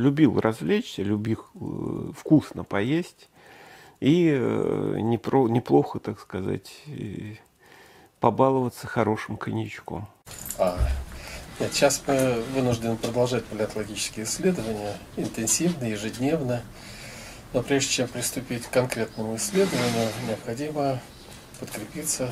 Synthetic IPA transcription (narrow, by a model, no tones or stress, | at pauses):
lʲʊbʲilˠrʔɐzvlʲet͡ɕsʲəlʲʊbʲil | fkusnəpɐjesʲtʲ | i | nʲɪpɾonʲɪplˠo̞xət̪akskɐza̰tʲ | pɐbalˠəvət̪sə̥xɐɾo̞ʂɨmkənʲɪt͡ɕko̰m | a | nʲe̞t̪ɕasmɨvɨnʊʐdʲɪnɨpɾəd̪ɐlˠʐat̚ʲpəlʲɪɐt̪əlˠɐɡʲit͡ɕɪ̥skʲɪjəɪsʲːlʲe̞d̪əvənʲɪjə | ɪnt̪ɨnsʲivnəjɪʐɨdʲnʲe̞vnə | nopɾʲeʐdʲɪt͡ɕempɾʲɪst̪ʊpʲitʲkːɐnkɾʲe̞t̪nəmʊɪsʲlʲe̞d̪əvənʲɪjʊnʲɪəpxɐdʲimə | pət̪kɾʲɪpʲit̪sə